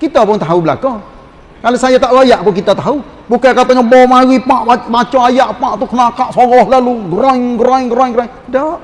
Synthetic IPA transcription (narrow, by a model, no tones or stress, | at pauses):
kit̪apʊŋt̪aɦubəla̰kɔ | kalosajat̪aʔwajaʔpʊŋkit̪at̪aɦu | bukakat̪ɔɲabɔmawipaʔabat͡ʃɔajaʔpaʔt̪ukənakaʔsɔɣɔhlaluɡəɾɔŋɡɾaŋɡəɾɔŋɡəɾaŋ | daʔ